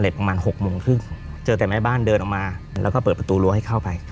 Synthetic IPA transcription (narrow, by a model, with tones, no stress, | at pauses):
le˨˩p̚pɾa˧maː˧nho˨˩k̚moː˧ŋkʰɯ˥˩ŋt͡ɕɤː˧t̪ɛː˨˩maː˦˥˩baː˥˩ndɤː˧nʔɔ˨˩kmaː˧lɛ̰ː˦˥kɔː˥˩pɤː˨˩t̪̚pɾa˧t̪uː˧lu˧ha˥˩kʰa˥˩wpa˧j